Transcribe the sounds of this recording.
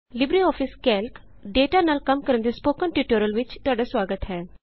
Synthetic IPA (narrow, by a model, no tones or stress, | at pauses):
libɾiɔːfiskɛlk | ɖeʈanalkɐmkəɾənd̪ispokənʈiʈoɾəlʋit͡ʃt̪aɽəsʋaɡət̪ɦɛ